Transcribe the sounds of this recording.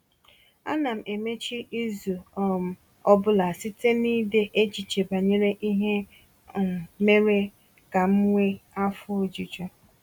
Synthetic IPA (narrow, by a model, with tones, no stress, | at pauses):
a̰˦na˨m̩˨e˨me˦t͡ʃi˦i˦zu˨˦m̩˨ | ɔ˦bʊ˦la˨si˦te˦niː˦de˦ʔe˦t͡ʃi˨t͡ʃe˨ba˨ɲe˦ɾe˦ʔi˦ɦe˦˨ | me˦ɾe˦ | ka˨m̩˦ŋʷe˦a˦fʊ˦o˦d͡ʒi˨t͡ʃo˦